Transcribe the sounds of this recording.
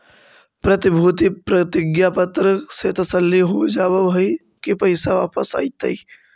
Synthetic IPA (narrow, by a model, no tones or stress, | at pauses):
pɾɐt̪ɪbʱuːt̪ipɾɐt̪ɪɡjapət̪ɾəset̪ɐsəlːiɦod͡ʒaːʋəbəi | kipɐɪsaʋaːpəsa̰ːit̪ɐi